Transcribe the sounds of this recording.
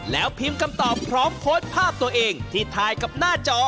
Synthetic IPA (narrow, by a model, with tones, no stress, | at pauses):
lɛː˦˥wpʰi˧mka˧mt̪ɔː˨˩pʰɾɔː˦˥mpʰo˦˥npʰaː˥˩p̚t̪u˧ɐʔeː˧ŋt̪ʰiː˥˩t̪ʰaː˧jka˨˩p̚naː˥˩t͡ɕɔː˧˥